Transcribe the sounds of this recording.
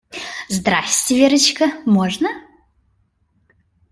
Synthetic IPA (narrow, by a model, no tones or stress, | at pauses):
zd̪ɾasʲtʲɪvʲeɾət͡ɕkəmoʐnə